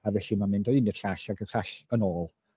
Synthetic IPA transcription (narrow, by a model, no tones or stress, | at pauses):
avɛɬimanmɪndɔinəɬaɬaɡəɬaɬənoːlˠ